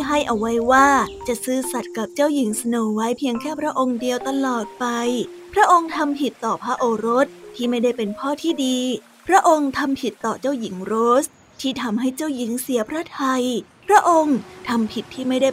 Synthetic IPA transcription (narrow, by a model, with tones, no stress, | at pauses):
ɦa˥˩jʔa˧wːa˦˥jwaː˥˩t͡ɕa˨˩ʔsɯː˥˩sa˨˩t̪̚ka˨˩p̚t͡ɕa˥˩wji˨˩˦ŋsa˧noː˨˩wa˦˥jpʰi˧əŋkʰɛː˥˩pʰɾa˦˥ʔo˧ŋdi˧əwt̪a˧lɔː˨˩t̪̚pa˧j | pʰɾa˦˥ʔo˧ŋt̪ʰa˧mpʰi˨˩t̪ːɔː˨˩pʰɾa˦˥ʔoː˧ɾo˦˥t̪̚ʰːiː˥˩ma˥˩jda˥˩jpe˧npʰɔː˥˩t̪ʰiː˥˩diː˧ | pʰɾa˦˥ʔo˧ŋt̪ʰa˧mpʰi˨˩t̪ːɔː˨˩t͡ɕa˥˩wji˩˦ŋɾoː˦˥s | t̪ʰiː˥˩t̪ʰa˧mɦa˥˩jt͡ɕa˥˩wji˨˩˦ŋsi˨˩˦ɐpʰɾa˦˥˩t̪ʰa˧j | pʰɾa˦˥ʔo˧ŋt̪ʰa˧mpʰi˨˩t̪ʰːiː˥˩ma˥˩jda˥˩